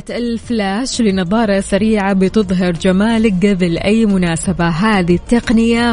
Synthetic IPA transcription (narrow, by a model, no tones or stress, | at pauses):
t̪ɪlflaːʃlɪnɑðˤɑːɾˤɑsaɾiːʕabɪt̪ɨðˤɦɑɾˤd͡ʒamaːlɪk̚ɡabɪlʔajːmʊnaːsabaɦaːðit̪ːɑqnɪja